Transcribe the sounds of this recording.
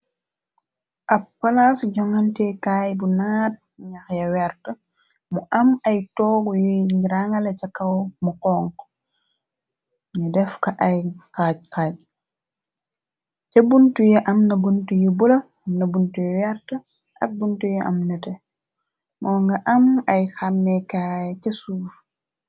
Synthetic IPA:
ʔɐppːɐlasɟɔŋɐntɛkaːjbunaːt̚ɲaxjɐwɛɾtɐ | muʔɐmɐjtɔːɡujujŋiɾaŋɐlɐt͡ʃɐkːɐwmuqɔːŋk | ɲidɛfkɐʔɐjqaːɟ̚kaːɟ̚ | cɐbuntujɛʔɐmnɐbuntujibulɐ | nɐbuntujɛwɛɾtə | ʔɐ̰k̚buntujɛʔɐ̰mnɐtɛ | mɔːŋɡɐʔɐmɐjxamːɛkajcɐsuːf

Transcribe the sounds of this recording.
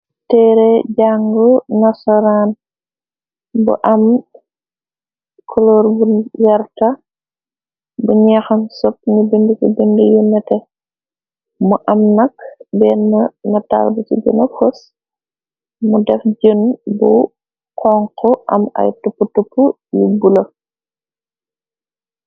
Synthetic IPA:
tɛɾɛɟaŋɡɔnasɔɾan | bṵʔɐm | kʰɔlɔːɾbujɐɾta | buɲɛxɐnsɔp̚nibindikibindijunːɐtɛ | muʔɐmnɐk̚bɛnːɐnɐta̰lbutḭɡə̰nafos | mudɛfd͡ʒənbu | kɔŋkɔʔɐmɐ̰jtupːutupːu | jubulo

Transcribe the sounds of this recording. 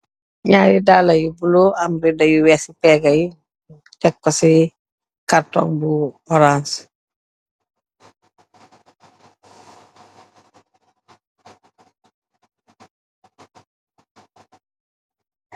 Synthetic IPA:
ɲaːɾidaːlɐjubuloʔamɾidɐjuwɛsipɛːɡɐji | tɛkːɔsi | kaɾtɔ̰ŋbufɔɾans

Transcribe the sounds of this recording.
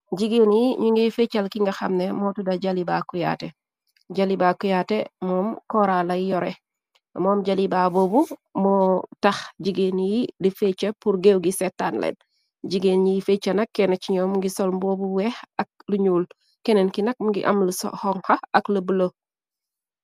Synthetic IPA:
ɟiɡinjiɲuŋɡefet͡ʃalkiŋɡaxa̰mnemoːtudaɟaliba̰kuja̰te | ɟalibakujatemɔːmkoɾalajijɔɾe | moːmɟalibaboːbumotaxɟiɡenijidifet͡ʃepuɾɡewɡisetːanlḛn | ɟiɡenɲijifet͡ʃːanakːenet͡ʃiɲoːmuŋɡisolmbobuwehɐk̚luɲuːl | kenenkinɐk̚muŋɡḭʔa̰mluso̰hoŋhaɐkləbəlo

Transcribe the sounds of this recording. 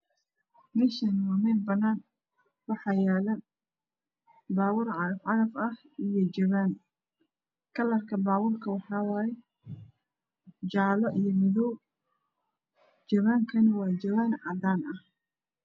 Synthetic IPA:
mɛːʃɐnwaːmɛnbɐnaːn | wɑħɑjaːlɐ | baːwʊrʕɑɾɐfʕɑɾɐfɐh | ijɞd͡ʒɐβaːn | kʰɐlɐrkʰɐbaːwʊːrkʰɐwɑħɑːwaːjɛ | t͡ʃaːlɔʔijɔmɪðɔw | t͡ʃɐβaːŋkʰɐnɐwɑːd͡ʒɐβaːnʕɑd̪aːnɐh

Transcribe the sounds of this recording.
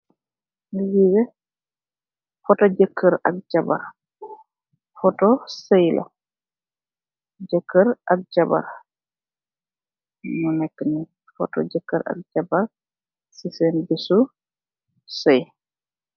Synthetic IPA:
nijiɡɛ | fɔtɔd͡ʒəkʰːəɾa̰k̚d͡ʒaba̰ɾ | fɔtɔsɛjlʔa̰ | d͡ʒəkːəɾʔak̚d͡ʒaba̰ɾ | nunɛkːni | fɔ̰tɔ̰d͡ʒəkːəɾʔa̰k̚d͡ʒabaɾ | sisenbisu | sej

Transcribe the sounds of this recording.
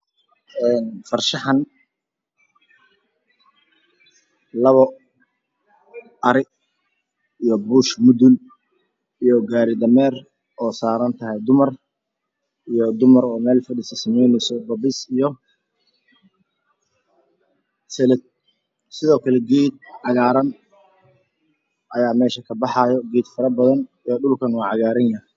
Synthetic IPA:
ɛːnfɐrʃɑħɐn | lɐβɔ | ʔɐɾɪɡ | ijɔbʊːʃmʊðʊl | ijɔɡaːɾɪd̪ɐmɛːr | ʔɔːsaːɾɐnt̪ʰɐɦɛjd̪ʊmɐr | ijɔd̪ʊmɐɾɔːmɛːlfɐɽisɐsɐmɛjnɛsɔbɐbɪsijɔ | sɛlɛ | sɪðɔːkʰɐlɛɡiːd̪̚ʕɑɣaːɾɐn | ʔɐjaːmɛːʃɐkʰɐbɑħɑːjɔɡiːd̪fɐɾɐbɐðɐnijɔɖʊlkʰɐnwɑːʕɑɣaːɾɐnjɐh

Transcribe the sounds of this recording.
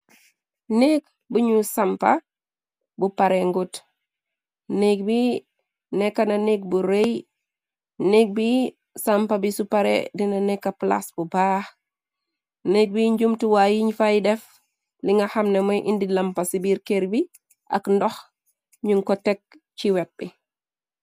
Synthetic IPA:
neːk | buɲusampa | bupaɾeŋɡut | neːk̚bi | nɛkːananek̚buɾej | nek̚bi | sampabisupaɾḛdinanɛkːapla̰sbubax | nek̚biɲd͡ʒumtiwajiɲfajidɛf | liŋɡɐxamnemojʔindilampasibiɾkeɾbi | ʔa̰kndɔx | ɲuŋkɔtɛk̚ | t͡ʃiwɛt̚bi

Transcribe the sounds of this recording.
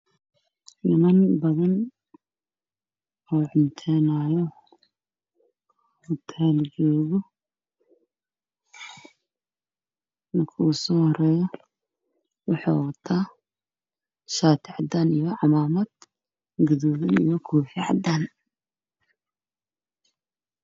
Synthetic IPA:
ʔɪnɐnbɐðɐn | ɔːʕʊnt̪ʰɛnaːjɔ | ʊt̪ʰɛld͡ʒɔːɣʊ | mɐkʰʊusɔːhɔɾɛːjɔ | wɑħa̰wɐt̪ʰaː | ʃaːt̪ʰɪʕɑd̪anijɔʕɑmaːmɐd̪̥ | ɡɐðɔːβɪnḭjɔkʰuːħɪʕɑ̰d̪aːn

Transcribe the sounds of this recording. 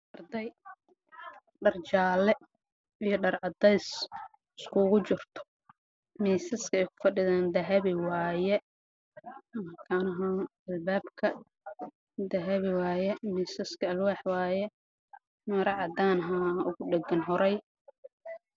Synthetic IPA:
ʔɐrd̪ɛj | ɖɐrt͡ʃaːlɛ | ijɞɖɐrʕɑd̪ɛjs | ɪskʰuːɣʊt͡ʃɪrt̪ʰɔ̥ | miːsɐskʰɐɛjkʰʊ̥fɐɖɪðaːnd̪ɐɦɐβɪwaːjɛ | mɐkʰaːnɐɦɔ | ɐlbaːbkʰɐ | d̪ɐɦɐβɪwaːjɛmiːsɐskʰɐɐlwaːħwaːjɛ | mɐɾɑʕɑd̪aːnɦaʊɣʊɖɛɡɐnɦɔɾɛj

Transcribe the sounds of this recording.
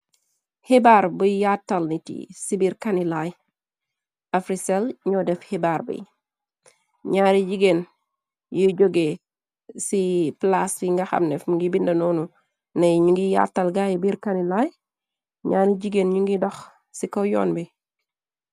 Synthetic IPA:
hebaːɾbujjatːɐlnitḭsibiɾkanilaj | afɾisɛlɲɔdɛfhebarbḭ | ɲaːɾid͡ʒiɡen | juɟoɡe | siplasiŋɡaxɐ̰mnɛfmuŋɡibindɐnɔːnu | nɐjɲuŋɡija̰tːɐlɡajibiɾkanilaj | ɲaːɾiɟiɡenɲuŋɡidɐx | sikɔjɔ̰ːnbi

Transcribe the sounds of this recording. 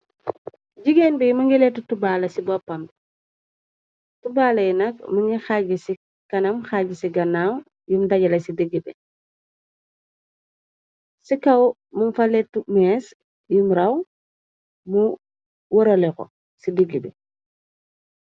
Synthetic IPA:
ɟiɡenbijumɐŋɡiletutubaːlɐsibɔpːɐmb | tubaːlɐjinɐk̚muŋɡixaɟisi | kɐnɐmxaɟisiɡɐnaw | jumdɐɟɐlɐsidiɡːibɛ | sikɐw | mumfaletumɛs | jumɾɐw | mu | wɔɾoleko̰ | sidiɡibḛ

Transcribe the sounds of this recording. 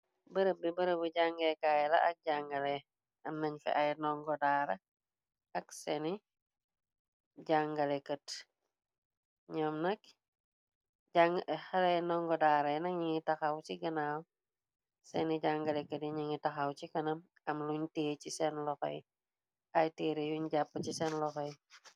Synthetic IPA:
bəɾəbɛbəɾəbəɟaŋɡɛjkaːjɛlɐ̰ʔɐk̚ɟaŋɡɐlɛ | ɐmnɐɲfɛ̰ʔɐjnɔŋɡɔdaːɾɐ | ɐksɛni | ɟaŋɡɐlɛkət | ɲɔmnɐk | ɟaŋxɐlɛnɔŋɡɔdaɾɐjnɐɲiŋitɐxɐwt͡ʃiɡɐnaw | sɛniɟaŋɡɐlɛkətjiɲiŋitɐxawt͡ʃikɐnɐm | ɐmluɲteːt͡ʃisɛnlɔxɔ̰j | ɐjteːɾejuɲɟapːəcisɛnlɔxɔj

